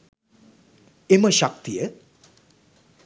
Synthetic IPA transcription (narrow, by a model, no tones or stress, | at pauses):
eməʃak̚t̪ijə